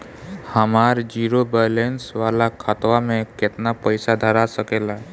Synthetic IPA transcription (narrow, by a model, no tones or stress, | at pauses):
həmaːɾd͡ʒiːɾobəlensʋaːlakʰat̪wamẽkɪt̪napəɪsad̪ʱəɾasəkela